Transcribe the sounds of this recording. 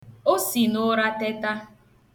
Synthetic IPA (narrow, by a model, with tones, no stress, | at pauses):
o˦si˨nʊ˦ɾa˦te˦ta˦